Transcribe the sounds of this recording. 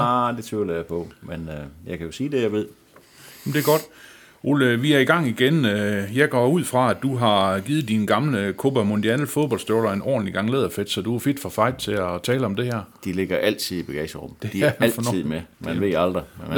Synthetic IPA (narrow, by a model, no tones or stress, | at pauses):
d̥e̝t͡sʰuləjapʰɔmenjɑ̈ɪkʰæjo̝siːd̥e̝jäɪʋe̝ð̰ˠ | jem̩d̥e̝ɐɡ̥ɒ̽d̥ | ʔoləʋiæɐiɡ̥ɑ̈ŋ̰iɡ̥enøjɑ̈ɪɡ̥ɒuð̞̰ˠfʁɑ̈æd̥uɦɑ̈ɡ̥iːð̩ˠd̥inəɡ̥ɑ̈mləkʰob̥ɐmond̥iænlfoðˠbɒ̽l̰sd̥øɐʊlɐenɒ̰ːd̥n̩iɡ̥ɑ̈ŋleːðˠɐfed̥sɒ̽d̥uæfe̝d̥fɒ̽fɑ̈ɪd̥̚t͡sʰe̝ɒt͡sʰɛːləɒ̽md̥e̝hæɐ̰d̥ile̝ɡ̥ɐʔæl̰t͡sʰið̰ˠib̥æɡ̥ɛ̰ːsəʁɔ̽m̰d̥e̝d̥ilfnið̰ˠmemænʋe̝ɑld̥ʁi